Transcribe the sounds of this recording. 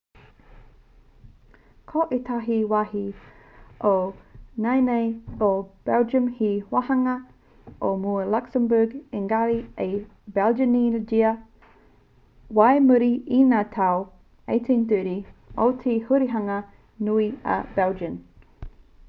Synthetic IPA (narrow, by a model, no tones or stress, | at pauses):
kʰoʔet̪ʰaɦiwahi | ʔonajnejob̥ɛld͡ʒəmhiwahɐŋɐ | ʔomuɐlaksəmbəɡeŋɡaɾiejbɛld͡ʒənind͡ʒiɐ | wajmuɾiinaːtʰaw | ḛjt̪ʰentəɾiotʰehuɾiɦɐŋɐ | nuiɐ̰bɛld͡ʒən